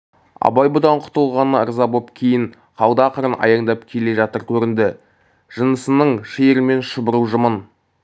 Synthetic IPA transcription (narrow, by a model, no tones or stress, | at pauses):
ɑ̰bɑjbod̪ɑɴqʰʊ̥t̪əlˠʁɑnəə̰ɾzɑbopkʲʰe̞jɪɴ | qʰɑwˠd̪ɑqʰəɾənʔɑ̰jɑɴd̪ɑpkʲʰe̞le̞ʒɑt̪əɾkʲʰɵɾɪnd̪ɪ | ʒ̥ənəsənəɴʃeɾme̞nʃəbəɾuwʒəmən